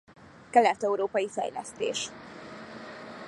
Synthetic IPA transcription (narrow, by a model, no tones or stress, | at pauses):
kɛlɛt̪ːɛuɾoːpɒjifɛ̰jlɛ̰st̪ḛːʃ